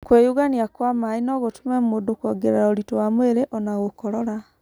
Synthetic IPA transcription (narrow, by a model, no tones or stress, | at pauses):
kwejuɣaniakwamainɔɣotumɛmoːdokwɔɡeɾeɾaoɾitowamweɾeʔɔnaɣokɔɾɔɾa